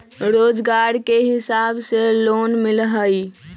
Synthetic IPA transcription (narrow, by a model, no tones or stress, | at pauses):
ɾod͡ʒɡaɾkeɦisabselonmilɦəj